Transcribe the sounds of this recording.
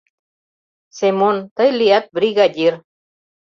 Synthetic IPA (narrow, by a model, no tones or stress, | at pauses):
semont̪əjlijat̪̚bɾiɡadʲiɾ